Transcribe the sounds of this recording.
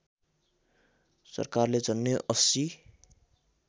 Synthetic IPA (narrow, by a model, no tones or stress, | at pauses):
sʌ̰rkarled͡zʌnːeʔʌsi